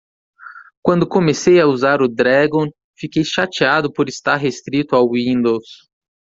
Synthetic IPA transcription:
kwɐ̃nd̪ʊkõmesejauzaɾʊd̪ɾɛɡõ | fikejʃat͡ʃiad̪ʊpoɾist̪aɾɦest̪ɾit̪ʊawĩnd̪ows

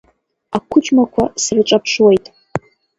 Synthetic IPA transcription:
akʷʰʊt͡ʃʼmakʷʰasrʈ͡ʂʷʼapʰʂwejtʼ

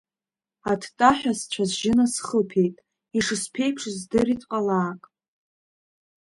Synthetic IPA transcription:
atʰtʼaħᶣast͡ɕʷʰazʒɪnasχəpʰe̞jtʼ | iʂɨspʰe̞jpʰʂzdɨritʼqʼalaːkʼ

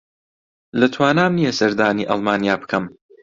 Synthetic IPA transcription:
lɐt̪ʰwaːnaːmnijɐsɐɾd̪aːniːʔɑ̰lˠmaːnijaːbɨ̥kʰɐm

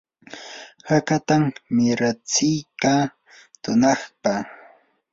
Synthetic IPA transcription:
hakat̪ammɪɾat͡sɪjkaː | t̪ʊnɑχpa

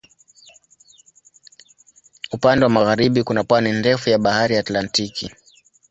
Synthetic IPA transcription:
upandɛwamaɣaɾiɓikunapwanindɛfujaɓahaɾiaːtlantiki

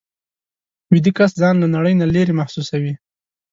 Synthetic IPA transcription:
wɪd̪ikaszɑnlanaɽəjnaleɾemahsusawi

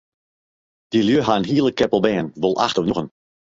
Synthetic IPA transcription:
d̥iljøɦaənɦiəlˠəkʰːɛpəlˠbɛːənʋolˠʔa̰xtɔfnuɣən

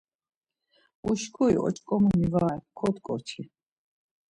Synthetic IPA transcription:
uʃkʰuḭɔ̰t͡ʃʼkʼɔmumivaːɛkʰɔt̪kʼɔɾt͡ʃʰi

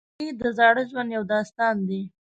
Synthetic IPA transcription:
id̪əzɑɽəʒwand̪jawd̪ɑst̪ɑnd̪i

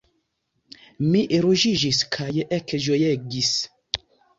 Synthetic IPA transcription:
miʔeɾuʒiʒiskʰajeʔɛkʒojɛɡis

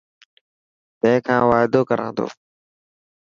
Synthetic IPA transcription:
t̪ə̃ɦkʰãːʋaːɪd̪oːkəɾʔã̰ːnd̪o̰ː

